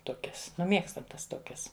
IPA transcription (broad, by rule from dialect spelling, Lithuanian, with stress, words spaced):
ˈtoːkʲɛs nʊ ˈmʲiɛkstɐm ˈtɐs ˈtoːkʲɛs